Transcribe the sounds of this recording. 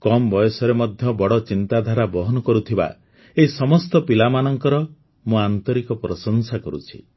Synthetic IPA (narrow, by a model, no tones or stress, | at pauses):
kɔmbɔjɔsɔɾemɔd̪ʱjɔbɔɽɔt͡ʃint̪ad̪ʱaɾabɔɦɔnɔkɔɾut̪ʰiba̰ | eɦisɔmɔst̪ɔpilamanɔŋkɔɾɔ | mũant̪ɔɾikɔpɾɔsɔnsakɔɾṵt͡ʃʰi̥